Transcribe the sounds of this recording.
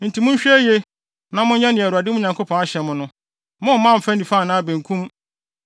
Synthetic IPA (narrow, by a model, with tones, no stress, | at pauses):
n̩˨tʰi˨mʊ̃˦ɲ̩˦ɕᶣɛ˦je˦ | nã˦mʊ̃˦ɲ˦ɲã˦nɪ̃˨æ˨ɾu˨a˨dɪ˦mʊ̃˦ɲã˨ŋko˦pʰɔ̃˨na˦ɕɛ˨mʊ̃˨nʊ̃˦ | mʊ̃˦˨mã˦˨m̩˨fæ̃˦n̩˦˨i˨fa˦˨nãː˦˨bẽ˨ŋ˨kʰũ˦m